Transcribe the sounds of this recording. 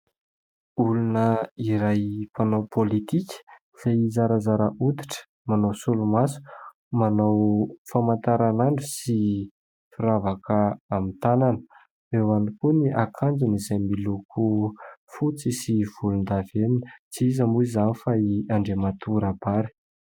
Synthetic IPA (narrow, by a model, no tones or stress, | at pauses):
ulunəiɾajpanawpʰolit̪ikʲə̥ | z̥ajizaɾazaɾəʔut̪i̥ʈ͡ʂə̥ | manawsulumasu̥ | manawfamant̪aɾanaɳɖ͡ʐusi | fiɾavakəːmint̪ananə | ewanikuniʔakʰand͡zunizajmilukʰufut͡sisiv̥ulund̪aveninət͡siizambuizanifaiaɳɖ͡ʐemat̪ʰuɾab̥aɾi̥